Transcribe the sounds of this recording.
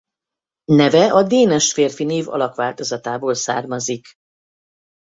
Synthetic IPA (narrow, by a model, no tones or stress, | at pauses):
nɛvɛʔɒd̪eːnɛʃfeːrfineːvɒ̰lɒkʋaːlt̪o̞zɒt̪aːboːlsa̰ːrmɒzik